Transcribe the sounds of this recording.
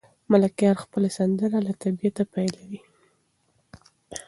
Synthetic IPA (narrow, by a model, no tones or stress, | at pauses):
malakjɑɾxpəlasand̪əɾalat̪abiat̪apajlawi